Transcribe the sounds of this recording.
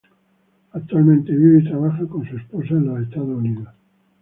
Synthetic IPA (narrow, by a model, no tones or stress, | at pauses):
ak̚t̪ːualmẽnt̪eβiβeit̪ɾaβaxakonsuesposaenlaest̪aðouniða